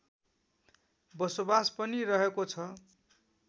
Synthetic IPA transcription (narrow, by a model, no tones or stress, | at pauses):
bʌsobaspʌniɾʌɦekot͡sʰʌ